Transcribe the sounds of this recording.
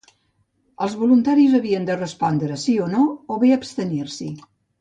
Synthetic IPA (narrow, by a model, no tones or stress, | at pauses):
əlˠzβulunt̪aɾizəβiənd̪ərəspɔnd̪ɾəsionooβeəpst̪əniɾsi